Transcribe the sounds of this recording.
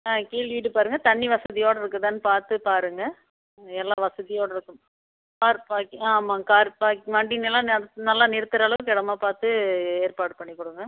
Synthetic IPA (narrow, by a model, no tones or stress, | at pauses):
ãːkiːɭʋiːʈɯpaːɾɯŋɡɐt̪ɐɳːiʋɐsɐðɪjoːɽɐɪɾɯkːɯt̪aːnːɯpaːɾt̪ɯpaːɾɯŋɡɐ | ɛlːãːʋɐsɐðɪjoːɽɐɪɾɯkːɯm | paːɾpaːkːaːmãːkaːɾpaːkʋɐɳɖinɛlːãːnɐlːãːnɪɾɯt̪ːɯɾaːlɐʋɯ̃kɛɽɐmaːpaːɾt̪ɯeːɾpaːʈpɐɳːɪkːɔɽɯŋɡɐ